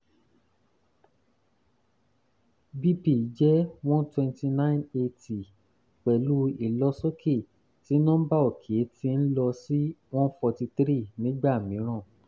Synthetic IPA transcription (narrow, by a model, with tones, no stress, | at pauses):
bi˦pi˨˦d͡ʒɛ˦w̃ɔ̃˦ntwɛ̃˧nti˧nã˦˨˦ne˧ti˨ | k͡pɛ˨lu˦i˨lɔ˧˦so˦kʰe˦˨ | ti˨˦nɔ̃˦ba˦o˨kʰe˨˦ti˦n̩˦lɔ˧si˦w̃ɔ̃˦n˦fɔ˧ti˧t̪ɾi˦nĩ˨˦ɡ͡ba˦˨mĩ˨˦ɾ̃ã˦˨